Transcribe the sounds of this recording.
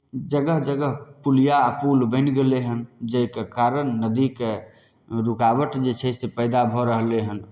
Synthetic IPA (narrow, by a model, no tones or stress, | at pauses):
d͡ʒəɡəɦd͡ʒəɡəɦpulijaːpulbə̃ɪnɡeleɦənd͡ʒəikekaɾənːəd̪ike | ɾukabəʈd͡ʒet͡ʃʰɛsepəɪd̪abʱɔɾəɦleɦən